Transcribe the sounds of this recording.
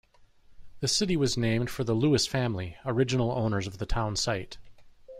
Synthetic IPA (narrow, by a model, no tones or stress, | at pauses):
ðɨsɪɾiwʌznẽɪ̃md̥fə˞ðəluɨsfæ̃mliə˞ɪd͡ʒɨnl̩ˠõʊ̃nə˞zʌvðɨtʰãʊ̃nsaɪt